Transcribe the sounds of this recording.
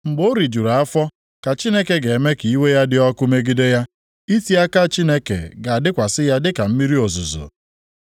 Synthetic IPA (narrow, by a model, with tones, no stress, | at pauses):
ŋ͡m̩˨ɡ͡bo˦ɾi˨d͡ʒu˨ɾa˨a˦fɔ˦ | ka˨t͡ʃi˦ne˦ke˨ɡe˨me˦ki˨i˦we˦ja˦dɪ˦ɔ˦kʊ˦me˦ɡi˦de˦ja˦ | i˦ti˦a˦ka˦˨t͡ʃi˦ne˦kḛ˨ɡa˨a˨dɪ˦kʷa˨sɪ˦ja˦dɪ˦ka˨m̩˦mi˦ɾi˦o˨zʊ˨zo̰˨